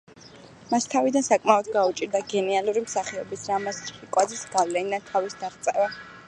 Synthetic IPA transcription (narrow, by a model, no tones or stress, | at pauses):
mast̪ʰavid̪ansakʼmaɔd̪ɡaut͡ʃʼiɾd̪aɡɛnialuɾimsaχɛɔbisɾamast͡ʃʼχikʼwazisɡ̥avlɛnid̪ant̪ʰavisd̪aʁt̪sʼɛvɛ